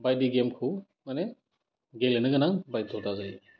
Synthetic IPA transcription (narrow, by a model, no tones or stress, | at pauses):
bajdiɡemkʰu | manɛ | ɡelenɯɡanaŋbajd̪ʱɔwtazaj